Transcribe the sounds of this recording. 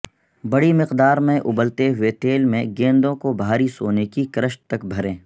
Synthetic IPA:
bɐɽimɪqd̪aːɾmẽʔʊbəlt̪eɦʊet̪eːlmẽɡẽːnd̪õkobʱaːɾisoːnekikɾəʃʈ̚t̪ɐkbʱɐɾẽː

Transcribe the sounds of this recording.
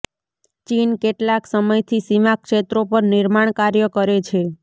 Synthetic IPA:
t͡ʃinkeʈlaksəməjt̪ʰisimakʃet̪ɾopəɾnɪɾmaɳ̃kaɾjəkəɾet͡ʃʰe

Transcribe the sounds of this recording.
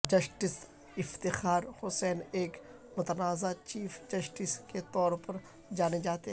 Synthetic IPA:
d͡ʒɐsʈɪs | ɪft̪ɪxaːɾhʊsɛːneːk | mʊt̪ənaːzat͡ʃiːfd͡ʒɐsʈɪsket̪ɔːɾpɐɾ | d͡ʒaːned͡ʒaːt̪eɦ

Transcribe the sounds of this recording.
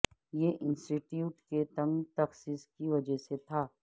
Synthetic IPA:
jeʔɪ̃nsʈɪʈjuːʈket̪ɐ̃ŋɡt̪ɐxsiːskiʋɐd͡ʒəɦset̪ʰaː

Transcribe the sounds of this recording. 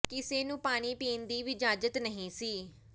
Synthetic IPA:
kɪseːnũːpaːɽ̃iːpiːnd̪iːʋɪd͡ʒaːd͡ʒət̪nəɦĩːsiː

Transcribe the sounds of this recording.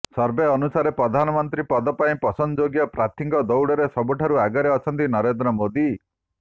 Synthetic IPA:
sɔɾbeɔnusaɾepɾɔd̪ʱanɔmɔnt̪ɾipɔd̪ɔpaĩpɔsɔnd͡ʒoɡjɔpɾat̪ʰiŋkɔd̪ɔwɽɔɾesɔbuʈʰaɾuaɡɔɾeɔt͡ʃʰɔnt̪inɔɾend̪ɾɔmod̪i

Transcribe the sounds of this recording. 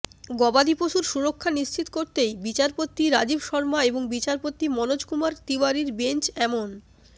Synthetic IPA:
ɡɔbad̪ipoʃuɾʃuɾokʰːaniʃt͡ɕit̪koɾt̪ejbit͡ɕaɾpot̪ːiɾad͡ʑibʃɔɾmaeboŋbit͡ɕaɾpot̪ːimɔnod͡ʑkumaɾt̪iwaɾiɾbent͡ɕɛmon

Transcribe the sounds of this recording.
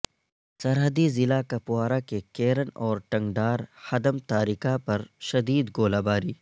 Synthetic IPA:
sɐɾɦəd̪izɪlakɐpuaːɾakekeːɾənɔːɾʈɐ̃ŋɡɖaːɾhɐd̪əmt̪aːɾikapɐɾʃɐd̪iːd̪ɡoːlaːbaːɾiː

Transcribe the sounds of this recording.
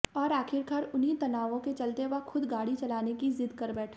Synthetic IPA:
ɔːɾaːkʰɪɾkaːɾʊnit̪ɐnaːʋõket͡ʃɐlt̪eʋɐɦxʊd̪ɡaːɽit͡ʃɐlaːnekizɪd̪kɐɾbɛːʈʰː

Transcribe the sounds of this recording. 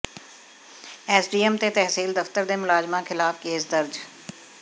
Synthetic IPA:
ɛːsɖiːəmt̪et̪ɛɦsiːld̪ɐft̪əɾd̪emʊlaːd͡ʒmãkʰɪlaːfkeːs̬d̪əɾd͡ʒ

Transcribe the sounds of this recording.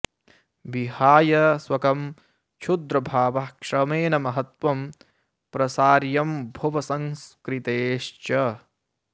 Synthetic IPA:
bihaːjɐswɐkɐm | t͡ʃʰud̪ɾɐbʱaːʋɐkʂɐmeːnɐmɐɦɐt̪ʋɐm | pɾɐsaːɾjɐmbʱɐʋɐsɐŋskɾit̪eːʃt͡ʃɐ

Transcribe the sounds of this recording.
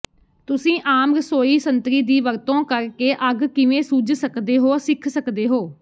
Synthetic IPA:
t̪ʊsĩːʔaːmɾəsoːiːsənt̪ɾiːd̪iːʋəɾt̪õːkəɾkeːʔəɡkɪʋẽːsud͡ʒsəkd̪eːɦoːsɪkʰsəkd̪eːɦoː

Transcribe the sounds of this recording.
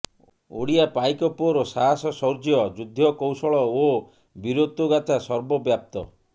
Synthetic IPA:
o̰ɽiapajkɔpɔɾosaɦasɔsɔɾd͡ʒjɔd͡ʒud̪ʱːjɔkɔwsɔɭɔo | biɾot̪ːuɡat̪ʰasɔɾbɔbjap̚t̪ɔ̰

